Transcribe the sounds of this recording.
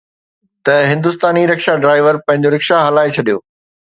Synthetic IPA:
t̪ɐɦɪ̃nd̪ʊst̪aːniɾɐkʃaɖɾaːɪʋəɾpɐ̃ɦɪ̃ɲd͡ʑoɾɐkʃaɦɐlaːet͡ɕʰɐɗijo̰ː

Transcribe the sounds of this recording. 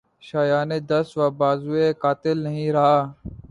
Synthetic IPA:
ʃaːjaːneːd̪əsʋaːbaːzuːeːkaːt̪ɪlnəɦĩːɾəɦaː

